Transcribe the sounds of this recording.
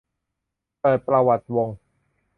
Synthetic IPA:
paː˨˩pɾa˧wa˨˩t̪̚wo˧ŋ

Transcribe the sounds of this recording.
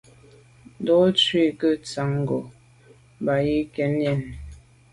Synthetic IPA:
dɔ˦t͡swi˦˨kə˦t͡sa˨˦ŋ˨ɡo˨ | ba˨ji˦kɛ˦njɛ˦˨n

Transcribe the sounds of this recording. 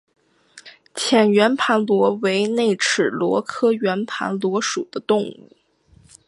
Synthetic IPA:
t͡ɕʰjɛ˨˩nɥɛ˧˥npʰa˧˥nlwɔ˧˥we˧˥ɪne˥˩ɪʈ͡ʂ̩ʰ˨˩lwɔ̰˧˥kʰɤ˥ɥɛ˧˥npʰa̰˧˥nlwɔ˧˥ʂu˨˩d̪ə˦t̪ʊ˥˧ŋṵ˥˩

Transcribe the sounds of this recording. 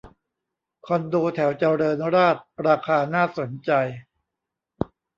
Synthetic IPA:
kʰɔ˧ndoː˧t̪ʰɛ˩˦wt͡ɕa˧ɾɤː˧nɾaː˥˩t̪̚ɾaː˧kʰaː˧naː˥˩so˩˦nt͡ɕa˧j

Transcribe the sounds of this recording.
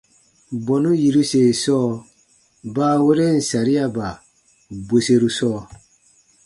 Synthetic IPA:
bɔ˨nu˦ji˨ɾu˦se˨sɔː˦ | ba˦we˦ɾe˦n̩˨sa˨ɾi˦a˦ba˨ | bo˨se˦ɾu˦sɔː˦

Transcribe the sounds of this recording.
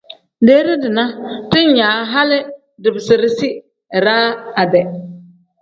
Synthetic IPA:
deː˦ɾɪ˦dɪ˨na˦tɪ˦n˦ɲaː˨˦ɦa˦lɪ˦ | dɪ˨bɪ˨sɪ˨ɾɪ˦sɪ˦˨ | ɾaː˦a˨dɛ˨

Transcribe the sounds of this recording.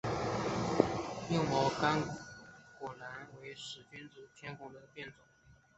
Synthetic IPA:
jo˥˩ŋmɑ˧˥ʊka˥n | kwɔ˨˩la˧˥nwe˧˥ɪʂɻ̩˨˩t͡ɕɥɛ˥nt͡s̩˨˩t̪ʰjɛ˥nkʊ˨˩d̪ə˧˩t̪jɛ˥˩nt͡sʊ˨˩˦ŋ

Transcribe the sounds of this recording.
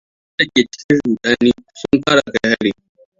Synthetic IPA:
tɐ˦kʲeː˨t͡ʃɪ̥˦kʲɪ˦ɽuː˨ɗʼaː˦niː˦sʊ˦mɸaː˦ɽa˨ka˦jha˦ɽi˨

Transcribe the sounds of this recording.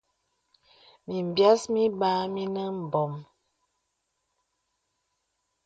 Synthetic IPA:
mi˨m˨bja˦smi˦baː˦mi˦nə˦m̩˨bɔ˨m

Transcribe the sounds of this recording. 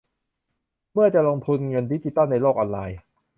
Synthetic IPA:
mɯ˥˩ɐt͡ɕa˨˩loː˧ŋp̪ʰu˧nŋɤ˧ndi˦˥t͡ɕi˨˧t̪aː˥˩na˧jloː˥˩k̚ʔɔː˧nlaː˧j

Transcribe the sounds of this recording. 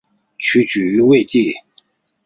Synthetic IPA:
t͡ɕʰy˩˥˨t͡ɕʰy˨y˩˥˨we˥˨t͡ɕi˥˨

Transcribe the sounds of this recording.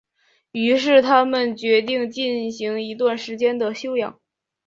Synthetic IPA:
y˧˥ʂ̬ɻ̩˥˩t̪ʰa˥mə˨nt͡ɕɥɛ˧˥t̪̬i˥˧ŋt͡ɕi˥˩nɕi˧˥ŋi˧˥t̪̬wa˥˩nʂɻ̩˧˥t͡ɕjɛ˥nd̪ə˨˩ɕjo˥ʊjɑ̰˨˩˦ŋ

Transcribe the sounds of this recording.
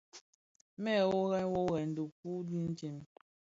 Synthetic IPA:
mɛ˦˨wɔ˦ɣɛ˦n˦wɔ˦ɣɛ˨n̩˨du˨ku˦di˦n̩˦t͡ʃi˦˨m

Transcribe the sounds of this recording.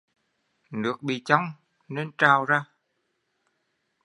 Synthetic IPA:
nɨ˨˩ək̚ɓḭ˨˩t͡ɕa˧wŋ͡m | ne˧nt͡ɕaː˨˩wzaː˧

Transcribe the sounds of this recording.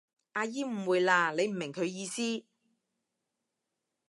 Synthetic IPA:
ʔaː˧jiː˥m̩˨˩wuː˨˧jlaː˧le˨˧jm̩˨˩mɪ˨˩ŋkʰɵ˨˧ɥjiː˧siː˥

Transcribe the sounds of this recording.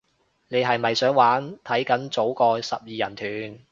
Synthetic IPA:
ne˨˧jɦɐ˨jmɐ˨jsœː˨˥ŋwaː˨˥nt̪ʰɐ˨˥jkɐ˨˥nt͡so˨˥wkɔː˧sɐ˨p̚jiː˨jɐ˨˩nt̪ʰyː˨˩n

